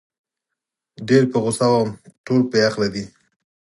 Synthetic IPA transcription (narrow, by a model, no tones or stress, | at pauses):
ɖeɾpəɣʊsawamʈolpəjaxladi